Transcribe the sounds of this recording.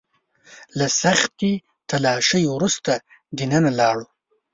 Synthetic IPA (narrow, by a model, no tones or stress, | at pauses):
lasaxt̪i | t̪alɑʃəjwɾust̪a | d̪inanalɑɽu